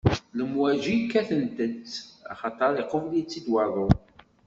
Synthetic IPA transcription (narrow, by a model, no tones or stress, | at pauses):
ləmwæʒikːæθənt̪ət͡sɑ̰χɑt̪ˤɑɾˤiqoflijt͡sːid̪wɑðˤo